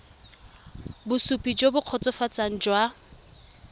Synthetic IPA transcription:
bʊsupʼid͡ʒobʊq͡χʰɔt͡sʼɔfat͡san̩d͡ʒwa

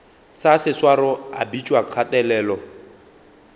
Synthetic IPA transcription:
sasɪswaɾɔa̰bit͡ʃʼwaq͡χʰatʼɛlɛːlɔ

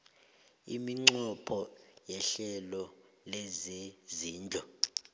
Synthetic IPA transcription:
ḭmiŋ͡ǃɔpʰɔjɛɬɛlɔ | lezeziːnd͡ɮʱɔ

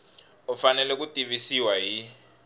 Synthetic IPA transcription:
ɔfanɛlɛk̬utʼivisiwaɦi

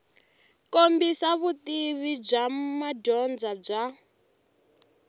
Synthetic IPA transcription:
kombisaβut̪iβib͡ʐamadɔnd͡zab͡ʐa

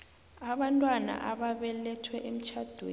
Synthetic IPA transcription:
aɓantʼwana̰ʔaɓaɓɛlɛtʰwɛʔem̩t͡ʃʰad̥ʱwḛː

